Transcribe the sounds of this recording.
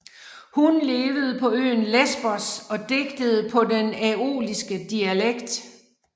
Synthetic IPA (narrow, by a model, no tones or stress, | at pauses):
hunle̝ːʋəð̞̩ˠpʰɒ̽ø̰ːnlesb̥ɒsɒ̽d̥e̝ɡ̥d̥əð̞̩ˠpʰɒ̽denæo̝̰ːlisɡ̥əd̥iæleɡ̥d̥